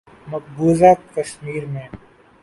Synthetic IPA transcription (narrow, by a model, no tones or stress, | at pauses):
mɐk̚buːzaːt̪̚kɐsmiːɾmẽː